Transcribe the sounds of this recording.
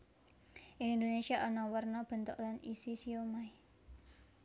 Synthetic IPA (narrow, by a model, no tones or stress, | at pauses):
ʔɪŋind̪onesiaʔɔnɔwərnɔb̥ə̤nt̪ʊ̰ʔlanisisiomai